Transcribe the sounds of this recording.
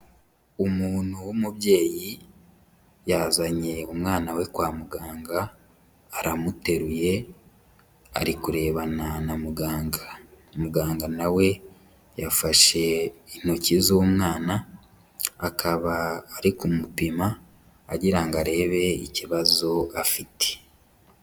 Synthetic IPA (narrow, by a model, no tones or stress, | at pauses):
umuːn̥huwumubje̞ːji | jazaɲe̞umŋaːnawe̞kwaːmuɡaːŋɡaː | ɾamute̞ɾuje̞ | a̰ɾikuɾe̞ːβananamuɡaːɡamuɡaːŋɡanawe̞ | jafaʃe̞in̥hocizowumŋaːnaː | kʰaβaːɾikumupimaː | ɟiɾaŋɡaɾe̞ːβe̞ḭciβazoafite̥